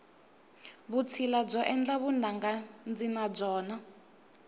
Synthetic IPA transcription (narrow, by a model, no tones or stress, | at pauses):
βut͡sʰilab͡ʐɔʔɛnd͡ɮaβunaŋɡand͡zinab͡ʐɔːna